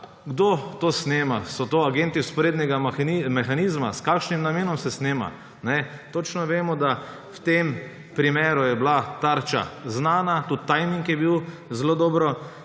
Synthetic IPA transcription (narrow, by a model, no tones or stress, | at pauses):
ɡd̪ot̪oːsneːmasɔt̪oːaɡent̪iʊspɔɾeːd̪nɛɡaxnimɛxaniːzmaskaːkʃnimnameːnɔmsɛsneːma̰ | nɛt̪ot͡ʃnɔʋeːmɔd̪a | wt̪em | pɾimeːɾujɛblat̪aɾt͡ʃa̰znaːnat̪ut̪ːajmiŋkjɛbiw | zlod̪ɔːbɾɔ